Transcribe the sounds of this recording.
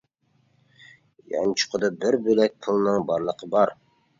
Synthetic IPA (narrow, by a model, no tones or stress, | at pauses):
jɑ̰nt͡ʃʰʊ̥qʰəd̪ɑbɪɾbølɛk̚ʲt̪ʰɨlˠnɨŋbɑɾlˠəqʰəbɑɾ